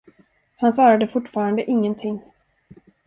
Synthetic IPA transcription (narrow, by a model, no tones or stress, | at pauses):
hansɑːɾad̪əfʊʈːfɑːɾand̪əʔɪŋːənt̪ʰɪŋː